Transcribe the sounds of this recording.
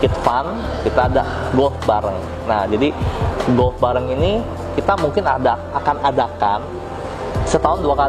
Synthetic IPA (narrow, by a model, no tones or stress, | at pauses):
kɪt̪fan | kit̪aːda̰ | ɡɔlfbaɾəŋ | nahd͡ʒadiɡɔlfbaɾəŋini | kit̪amuŋkɪnada | akanadakan | sət̪aɦʊnduaka